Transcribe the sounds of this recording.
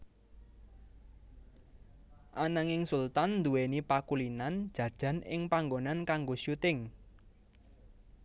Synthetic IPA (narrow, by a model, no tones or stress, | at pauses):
ʔanaŋɪŋsult̪annd̪uwenipakulinand̥ʒ̥ä̤d̥ʒ̥ä̤nɪ̰ŋpaŋɡonankaŋɡoʃut̪ɪŋ